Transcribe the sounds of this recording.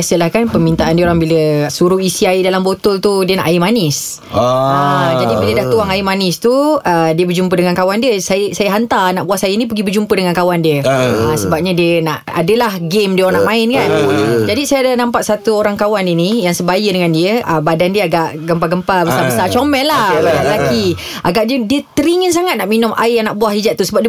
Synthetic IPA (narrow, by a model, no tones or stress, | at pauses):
asəlahkanpəmint̪aʔandiəoɾaŋbiləsuɾuisiaidalambot̪ʊlt̪udiəna̰ʔajimanɪs | əd͡ʒadibilədaht̪uaŋaimanɪst̪uədiəbərd͡ʒumpədəŋankawandiəsajəsajəɦant̪arnaʔbuasajənĩp̬əɡibərd͡ʒumpədəŋankawandiəəsəbap̚ɲadiənaʔa̰dəlahɡemdiəonaʔmãɪnkand͡ʒadisajadanampaʔsat̪uoɾaŋkawaninijaŋsəbajədəŋandiəʔəbadandiəaɡaʔɡəmpaɡəmpabəsabəsat͡ʃomɛlːahbədaʔləlaki | ʔa̰ɡaʔdədiət̪əɾiŋəns̬aŋat̪̚naʔminʊ̃mʔa̰ijanaʔbuahid͡ʒat̪ːusəbap̚diə